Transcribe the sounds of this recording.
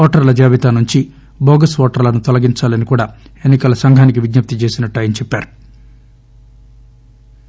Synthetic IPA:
ɔːʈɐɾlɐd͡ʒaːʋit̪aːnuɲt͡ʃi | boːɡɐsʋɔːʈɐɾlɐnut̪ɔlɐɡiɲt͡ʃaːlɐnikuːɽaːe̞nːikɐlɐsɐŋɡʱaːnikiʋid̪nɐp̚t̪it͡ʃeːsinɐʈːɐːjɐnit͡ʃɛpːaːɾu̥

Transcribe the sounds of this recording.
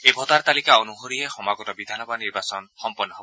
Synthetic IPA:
ebʱɔt̪aɾt̪alikaonuɦoɾiɦexɔmaɡɔtɔbid̪ʱanɔbaniɾbasɔnxɔmpɔnːɔɦobɔ

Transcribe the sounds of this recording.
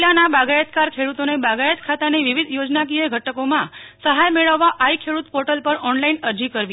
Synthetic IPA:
lanabaɡajət̪kaɾkʰeɽut̪onebaɡajət̪kʰat̪aneʋiʋid̪ʱjod͡ʒnak̬ieɡʱəʈəkomãsəɦajmeɭəʋːaʔaikʰeɽut̪pɔʈəlpəɾɔnlainəɾd͡ʒikəɾʋi

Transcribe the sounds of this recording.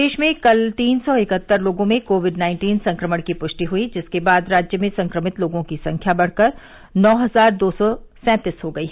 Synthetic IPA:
eːʃmẽkɐlt̪iːnsɔɪkət̪ːəɾloːɡõmẽkoːʋɪɖnãːɪ̃ɳʈiːnsɐ̃ŋkɾəməɽ̃kipʊʃʈiɦuid͡ʒɪskebaːd̪ɾaːd͡ʒjəmẽsɐ̃ŋkɾəmɪt̪loːɡõkisɐ̃ŋkʰjabɐɽ̤kəɾ | nɔːɦɐzaːɾd̪oːsɔsɛ̃ːt̪ɪsɦoɡɐiːɦɛ

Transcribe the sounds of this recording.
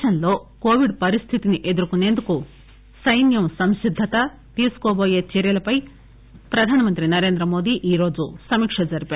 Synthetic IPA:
ɐnlo̞ːko̞ːʋiɖpɐɾist̪ʰit̪iniʔe̞d̪uɾukune̞ːnd̪uku | sɐjnjɐmsɐmʃid̪ʱːɐt̪ɐ | t̪iːsu̥koːboːje̞ːt͡ʃɛːɾjɐlɐpɐj | pɾɐd̪ʱaːnɐmɐnt̪ɾinɐɾe̞ːnd̪ɾɐmo̞ːd̪iːʔiːɾo̞ːd͡ʒusɐmiːkʂɐd͡ʒɐɾipeː

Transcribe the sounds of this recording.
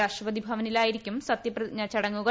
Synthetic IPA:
aːʂʈrɐpɐd̪ibʱɐʋɐnilaːjiɾikʲːumsɐt̪jɐprɐɲɐt͡ɕɐɽɐŋːuɣɐ

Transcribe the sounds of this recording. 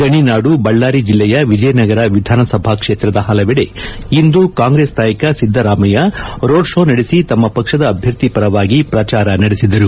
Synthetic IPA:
ɡɐɳinaːɽubɐɭːaːɾid͡ʒilːɛjɐʋid͡ʒɐjnɐɡɐɾɐʋid̪ʱaːnɐsɐbʱaːkʂeːt̪ɾɐd̪ɐɦɐlɐʋiɽḛ | ind̪ukaːŋɡɾeːsd̪aːjɐkɐsid̪ʱːɐɾaːmɐjɐɾo̞ːɖʂo̞ːnɐɽisit̪ɐmːɐpɐkʂɐd̪ɐːbʱjɐɾt̪ipɐɾɐʋaːɡipɾɐt͡ʃaːɾɐnɐɽesid̪ɐɾu

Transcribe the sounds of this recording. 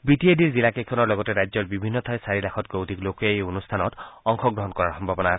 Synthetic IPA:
bitiediɹzilakekʰɔnɔɹlɔɡɔtɛɹajzɔɹbibʱinːɔtʰajsaɹilaxʰɔt̚ɡowdʱiklokueonustʰanɔtɔŋxʰɔɡɹɔɦɔnkɔɹaɹxɔmbʱabɔnaːsɛ

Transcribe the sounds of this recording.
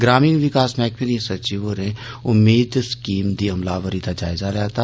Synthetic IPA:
ɡɾaːmiːnʋɪkaːsmɛːkpiɾiẽsɐt͡ʃiʋoɾẽ | ʊmːeːd̪skiːmd̪iɐmlaːʋəɾid̪ad͡ʒaːɪzaɾɛt̪a

